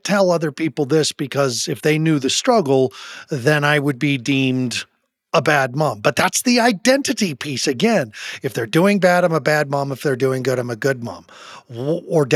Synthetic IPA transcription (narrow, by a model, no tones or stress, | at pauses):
tʰɛlˠʌðə˞pʰipl̩ˠðɪsb̥ɨkʰʌzɨfðeɪnjʉðɨstɹ̥ʌɡl̩ˠðɨ̃naɪwəd̚bidĩmd | əbæd̚mʌ̃mbʌt̪̚ðætsðiaɪdɛ̃ntɨɾipʰisɨɡɛ̃nɨfðə˞dʉɪ̃ŋbæɾãɪ̃məbæd̚mʌ̃məfðə˞dʉɪ̃ŋɡʊɾãɪ̃mɨɡʊd̚mʌ̰̃m | ə˞d